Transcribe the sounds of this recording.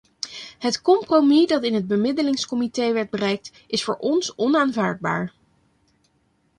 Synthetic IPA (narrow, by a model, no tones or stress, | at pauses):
ɦətkɔmpromidɑtɪnɦəd̚bəmɪdəlɪŋskɔmitejʋɛɹd̚bərɛjk̚t | ɪsfʊːɹʔɔnsɔnaːnvaːɹd̚ba̰ːɹ